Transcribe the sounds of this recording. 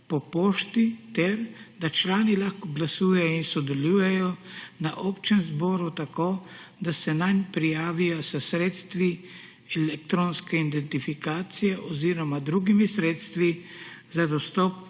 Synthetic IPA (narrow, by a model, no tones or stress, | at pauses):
pɔpoːʃt̪it̪ɛɾd̪at͡ʃlaːnilaxkɔɡlasuːjɛjɔinsɔd̪ɛluːjɛjɔnaʔopt͡ʃɛnzbɔːɾut̪akoːd̪asɛnajnpɾijaːʋijasəsɾeːt̪st̪ʋi | ɛlɛk̚t̪ɾoːnskɛind̪ɛnt̪ifikaːt̪sijɛʔɔziːɾɔmad̪ɾuːɡimisɾeːt̪st̪ʋizad̪ɔst̪ɔp̚